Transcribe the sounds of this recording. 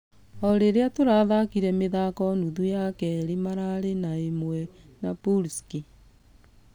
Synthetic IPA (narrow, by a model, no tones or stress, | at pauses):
ɔɾeɾeatoɾaðakiɾɛmeðakɔnuðujakɛɾimaɾaɾenaemwɛ | napulski